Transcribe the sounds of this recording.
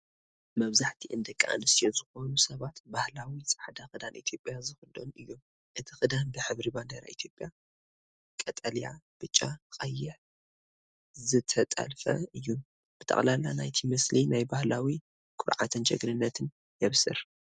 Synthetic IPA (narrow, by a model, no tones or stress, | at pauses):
mɐβzaħt̪ʰiʔɨnd̪ɐkʼːa̰ʔa̰nɨsijozɨxo̞nusɐβat̪bahlawisʼɐ̥ħad̪axɨd̪anʔit̪ʰjo̞pʼjazɨxɨd̪o̰nɨjːom | ʔɨt̪ʰixɨd̪anbɨħɨβɾiband̪ɐɾa̰it̪ʰjo̞pʼːja | kʼɐt̪ʼɐlja̰b̥ɨt͡ʃʼːakʼɐjːɪħ | zɨt̪ʰɐt̪ʼɐ̰lfɐ̰ɨjːu | b̥ɨt̪ʰɐ̰χʼlalanajt̪ʰimɐslinajbahlawi | kʰʼʊɾʕa̰t̪ʰɨnt͡ʃɐɡɾɨnːɐt̪ʰɨn | jɛβsɨɾ